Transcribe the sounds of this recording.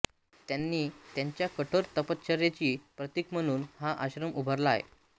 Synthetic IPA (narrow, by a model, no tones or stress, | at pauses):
t̪janːiːt̪jaɲt͡ɕjakəʈʰoɾt̪əpət̪̚t͡ɕʰəɾjet͡ɕiːpɾət̪ikm̤əɽ̃uːnhaʔaɕɾəmubʱəɾlajḛ